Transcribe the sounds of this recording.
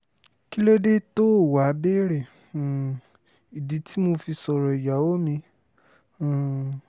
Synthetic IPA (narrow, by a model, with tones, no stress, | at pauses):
ki˦lo˦de˦to˦˨wa˨˦be˦ɾe˦˨ | i˨di˨˦tʰi˦mo˧fi˧sɔ˨ɾɔ˨i˨ja˨˦o˦mĩ˧˨